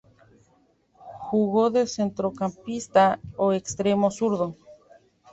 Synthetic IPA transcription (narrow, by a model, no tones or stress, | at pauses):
xuɣoðesent̪ɾokampist̪aoekst̪ɾemosuɾðo